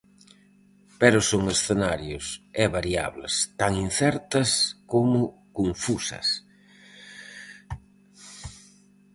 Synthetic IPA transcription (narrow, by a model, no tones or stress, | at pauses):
pɛɾʊsoŋesθenaɾjʊsɛβaɾia̰βlḛst̪aŋin̟θɛɾt̪ɐskomʊkoɱfusɐ̰s